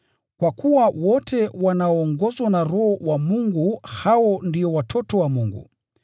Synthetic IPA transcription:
kwakuwawɔtɛwanaɔːŋɡɔzwanaɾɔhɔwamuŋɡuhawɔndiɔwatʰɔtɔwamuŋɡṵ

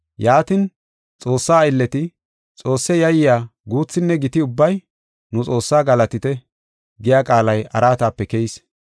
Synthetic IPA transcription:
jaːt̪ɪn | t͡sʼo̞ːsːaːɪlːɛt̪ɪ | t͡sʼo̞ːsːɛjɐjɪjaːɡuːt͡sːɪnːɛɡɪt̪ɪʊbːɐj | nʊt͡sʼo̞ːsːaːɡɐlɐt̪ɪt̪ɛ | ɡɪjaːkʼaːlɐjɐ̰ɾaːt̪aːpːɛkɛɪs

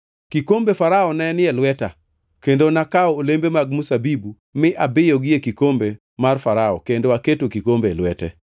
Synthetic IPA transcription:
kikombefaɾaɔnɛnɪɛlwɛta̰ | kendonakaɔːlembemaɡ̚musabibu | mɪʔabɪjɔɡɪjekikombe | marfaɾaɔ̰kendoaketokikombelwɛtɛ̰

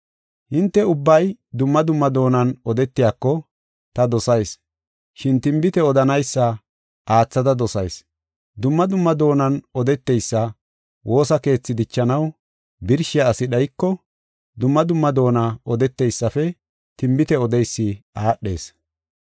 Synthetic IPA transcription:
hɪnt̪ːɛʊbːɐjd̪ʊmːɐd̪ʊmːɐd̪o̞ːnɐnɔd̪ɛt̪ːɪjaːkːɔ | t̪ɐd̪ɔsɐjs | ʃɪnt̪ɪmbɪt̪ɛɔd̪ɐnɐjsːɐ | ʔaːt͡sːɐd̪ɐd̪ɔsɐjs | d̪ʊmːɐd̪ʊmːɐd̪o̞ːnɐnɔd̪ɛt̪ːɛjsːɐ | wʔo̞ːsɐke̞ːt͡sːɪd̪ɪt͡ʃːɐnɐw | bɪɾʃɪjɐːsɪɗɐjkːɔ | d̪ʊmːɐd̪ʊmːɐd̪o̞ːnɐɔd̪ɛt̪ːɛjsːɐfɛ | t̪ɪmbɪt̪ɛɔd̪ɛjsːɪaːɗːe̞̰ːs

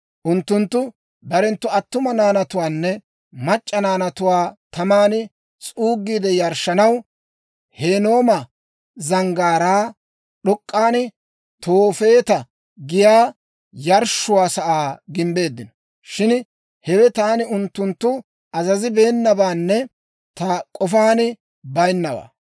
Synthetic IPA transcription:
ʔʊnt̪ːʊnt̪ːʊ | bɐɾɛnt̪ːʊɐt̪ːʊmɐnaːnɐt̪ʊwaːnːɛ | mɐt͡ʃʼːɐnaːnɐt̪ʊwaːt̪ɐmaːnɪ | t͡sʼuːɡːiːd̪ɛjɐɾʃːɐnɐw | he̞ːno̞ːmɐ | zɐŋɡaːɾaː | ɗɔkʼːaːnɪ | t̪ʰoːfe̞ːt̪ɐ | ɡɪjaː | jɐɾʃːʊwaːsɐʔaːɡɪmbe̞ːd̪ːɪnɔ | ʃɪn | hɛwɛt̪aːnɪʊnt̪ːʊnt̪ːʊ | ɐzɐzɪbe̞ːnːɐbaːnːɛ | t̪ɐkʼɔfaːnɪ | bɐjnːɐwa̰ː

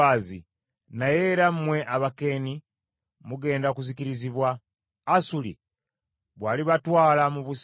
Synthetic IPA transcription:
aːzḭ | naje̞ɾammwe̞ʔaβake̞ːni | muɡe̞ːndakuzikiɾiziβwaː | sulḭ | βwaːliβatwaːlamuβus

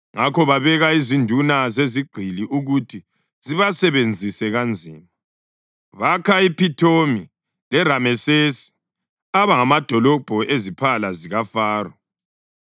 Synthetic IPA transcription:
ŋakɔβaβɛɣaizindʱunazeziɡ͡ǀʱiliʔuɣutʰi | ziβasɛβend͡zʱisɛɣand͡zʱḭːma | βakʰaipitʰomi | lɛɾamɛsesi̥ | aβaŋamad̥ʱɔlɔb̥ʱɔezipʰalaziɣafaːrɔ

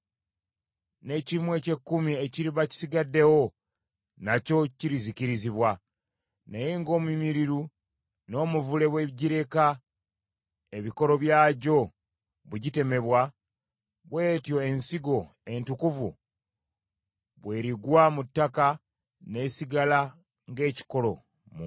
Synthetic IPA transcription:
ne̞cimwe̞ce̞kːumieciɾiβaci̥siɡadːe̞wo̞ | naco̞ciɾiziciɾiziβwa | najeŋɡo̞ːmwimiɾiɾu | no̞ːmuvule̞βwe̞ɟiɾe̞ka | eβiko̞ɾo̞βjaːɟo̞ | βuɟite̞me̞βwa | βwe̞ːtjo̞e̞nsiɡo̞ | e̞ntukuvṵ | βwe̞ːɾiɡwamutːaka | ne̞siɡala | ŋɡe̞ːci̥ko̞lo̞ | mu

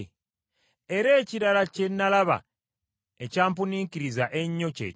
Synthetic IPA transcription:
e̞ɾe̞ːciɾalace̞nːalaβa̰ | ecaːmpuniːkiɾizaʔe̞ɲːo̞cḛː

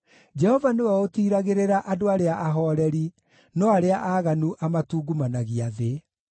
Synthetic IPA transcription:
d͡ʒɛhɔvanewaotiːɾaɣeɾeɾaʔadoaɾeaʔaɦɔːɾɛɾi | nɔaɾeaʔaːɣanuʔamatuːɡumanaɣiaðe

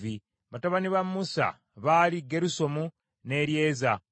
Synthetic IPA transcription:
vi | βataβaniβamusa̰ | βaːliɡe̞ɾuso̞mu | ne̞ɾje̞ːza

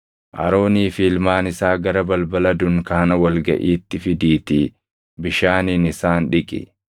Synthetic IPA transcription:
ʔɐ̰ɾo̞ːniːfiːlmaːnɪsaːɡɐɾɐbɐlbɐlɐd̪ʊŋkɐɐnɐwɐlɡɐ̰ʔiːt̪ːɪfɪd̪iːt̪ɪ | bɪʃaːniːnɪsaːnᶑɪkʼɪ̰

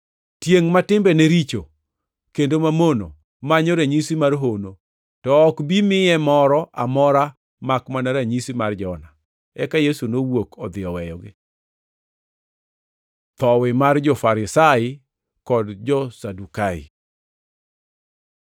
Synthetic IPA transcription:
tjeŋmatɪmbɛneɾit͡ʃo | kendomamono̰ | maɲoɾeɲisimarɦono | tɔːkbimɪɛmɔɾɔʔa̰mɔɾa | makmanaɾaɲisimard͡ʒɔna | ɛkajesunowokʰɔd̪ɪjɔwɛjɔɡɪ | t̪ɔwɪmard͡ʒɔfaɾɪsaɪ | kɔdd͡ʒɔsadukaɪ̰

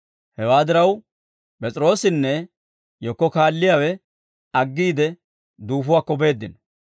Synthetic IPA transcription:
hɛwaːd̪ɪɾɐw | pʼɛt͡sʼɾo̞ːsɪnːɛ | jɔkːɔkaːlːɪjaːwɛ | ɐɡːiːd̪ɛ | d̪uːfʊwaːkːɔbe̞ːd̪ːɪn

